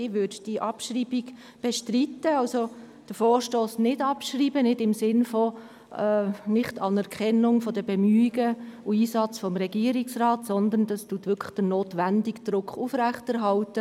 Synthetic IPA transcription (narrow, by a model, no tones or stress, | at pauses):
ɪʋʏdd̥iʔɑpʃriːbiɡ | b̥ɛʃtritːəɑlso | d̥əfoːʃtoːsnɪdɑpʃriːbənɪdɪmsɪnfɔ | nɪχtɑnɛɾkʰɛnːʊŋfɔdəbɛmyːɪɡəuiːsɑt͡sfɔmɾɛɡ̥iːəɾiksrɑːtsɔnd̪ənd̥ɑstutʋʏkʰə̥χd̥ənoːtʋændɪɡd̪̥ɾʊkχufɾæχtɛɾɦɑltə